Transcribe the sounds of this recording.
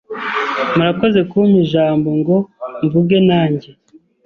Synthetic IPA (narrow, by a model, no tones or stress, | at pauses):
muɾako̞ze̞kuumuʒaːmbo̞ŋɡo̞ɱvuɡe̞naːɲɟe̞